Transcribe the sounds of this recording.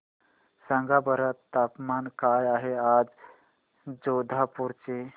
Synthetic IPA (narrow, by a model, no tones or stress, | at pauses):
sə̃ŋɡabəɾət̪ːapmankajaɦead͡z | d͡zod̪ʱapuɾt͡se